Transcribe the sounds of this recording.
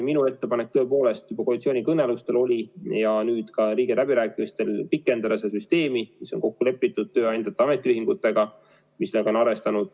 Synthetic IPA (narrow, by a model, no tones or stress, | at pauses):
minue̞t̪ːe̞pɑnek̚t̪ɤ̞po̞ːle̞st̪ybɑkolit̪sio̞ːnʲikɤnːelust̪e̞lo̞lʲijɑnyːd̪̥kɑɾiːɡ̥elæbiɾæːkːˑimist̪e̞lpikːˑe̞nd̪̥ɑd̪ɑsed̪esyst̪e̞ːmimiso̞nko̞kːule̞pːit̪ːud̪̚t̪ø̞ːɑjnd̪̥ɑt̪ːˑeɑme̞t̪ːˑiyɦiŋɡut̪ːˑe̞ɡ̥ɑ | misleɡɑonɑɾe̞st̪ɑnud̪̥